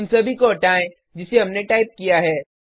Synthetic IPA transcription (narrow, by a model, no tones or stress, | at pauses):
msɐbʱikoɐʈaːẽ | d͡ʒɪseɦɐmneʈaːɪp̚kijaɦɛː